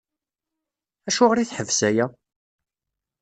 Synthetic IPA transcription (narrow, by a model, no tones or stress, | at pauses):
æʃuʁɾiθħəvsæjæ